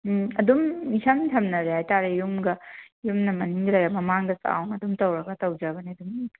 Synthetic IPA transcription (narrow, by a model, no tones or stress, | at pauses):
ɐdumːisɐmtʰɐmnɐɾehajtaɾejumɡɐjumnɐmɐniŋdɐlɐjɾamɐmaŋdɐsa̰wnɐdumtɐwɾɐɡɐtɐwd͡ʒɐbɐniɐdum